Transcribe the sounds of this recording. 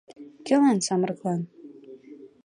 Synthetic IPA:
kʲɘ̆lɑnsɑmrɤklˠɑn

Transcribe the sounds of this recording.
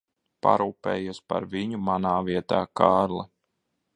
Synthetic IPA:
pa̰ɾuːpḛːjuspa̰ɾviɲumanaːviɛt̪aːkaːɾlˠa

